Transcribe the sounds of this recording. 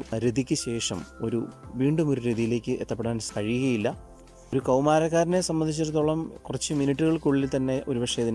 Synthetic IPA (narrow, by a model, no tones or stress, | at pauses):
ɾed̪ʱikʲːɨɕe̞ːʂɐmo̞ɾuʋiːɳɖumo̞ɾuɾiðijile̞ːkʲːɨʔet̪ːɐpːeɽaːnskɐɻiuɣɐjilːɐ | o̞ɾukɐwmaːɾɐkːaːɾne̞sɐmbɐnd̪ʱit͡ɕːirt̪ːoːɭɐmkurɐt͡ɕːɨminiʈːuɣɐɭkuɭːiilt̪ɐnːe̞ʔo̞ɾubɐʂɐjɐðin